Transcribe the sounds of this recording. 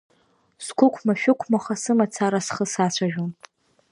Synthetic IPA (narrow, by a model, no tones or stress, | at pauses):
skʷʰʊkʷʰmaʃᶣʊkʷʰmaχasɨmat͡sʰaɾasχəsat͡ɕʷʰaʒᶣon